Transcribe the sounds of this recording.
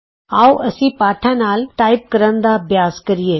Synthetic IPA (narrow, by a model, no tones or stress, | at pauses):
aːuʔɐsĩpaːʈʰãnaːlʈaːɪp̚kɐɾənd̪abjaːzkɐɾijeː